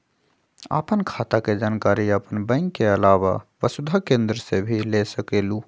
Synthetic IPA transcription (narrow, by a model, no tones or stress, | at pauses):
a̰pənkʰat̪aked͡ʒaːnkaɾiəpənbə̃ɪŋkːeəlaʋa̰bəsud̪ʱakẽnd̪ɾəsebʱilesəkelu